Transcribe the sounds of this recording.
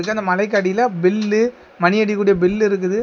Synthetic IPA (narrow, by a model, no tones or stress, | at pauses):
ɯkːɯɐnd̪ɐmɐlɐɪk̬ːɐːɽiɪlɐbɪlːɯ | mɐnɪɐɽikːuːɽɪjɐbɪlːɪɾɯk̬ːɯðɯ